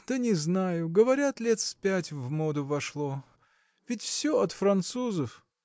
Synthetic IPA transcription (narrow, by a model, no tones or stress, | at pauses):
d̪̥anʲɪznajʊɡəvɐɾʲat̪lʲet̪spʲætʲvmod̪ʊvɐʂlˠo | vʲɪtʲfsʲoɐt̪fɾɐnt̪suzəf